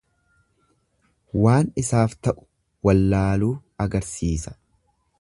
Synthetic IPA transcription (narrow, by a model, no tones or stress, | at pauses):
waːnɪsaːft̪ɐʔʊ̥ | wɐlːaːluːɐɡɐɾsiːsɐ̥